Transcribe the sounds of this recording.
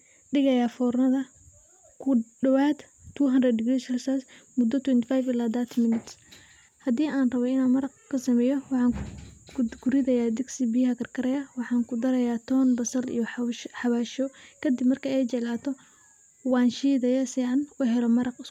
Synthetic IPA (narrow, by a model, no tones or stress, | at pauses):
ɖɪɣɐjaːfɔːrnɐðɐ | kʰʊɖɐwaːd̪ | t̪ʰuːɦɐnrɐɖɪɡɾisrsasmʊd̪ːɔt̪ʰwɛnt̪ɪfajfɪlaːd̪at̪ʰmɪnɪt̪s | hɐd̪iːʔaːnrɐβɔɪnaːmɐɾɑqkʰɐsɐmɛːjɔwɑħɑːŋ | ɡʊɾɪðɐjaːd̪ɪɡsibɪjhɐkʰɐrkʰɐɾɐjɐwɑħɑːŋkʰʊd̪ɐɾɐjaːt̪ʰɔːnbɐsɐɾḭjɔħɑβaːʃɔkʰɐd̪ɪbmɐrkʰɐɛjt͡ʃɛlaːt̪ʰɔ | wɑːnʃiːðɐjɐsiːʕɑnwɑɦɛlɔmɐɾɑqɪ